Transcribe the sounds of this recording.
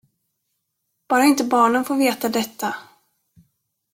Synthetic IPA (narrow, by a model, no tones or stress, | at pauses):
b̥ɑːɾaɪnt̪əbɑːɳənfoːɾveːt̪ad̪ɛt̪ːa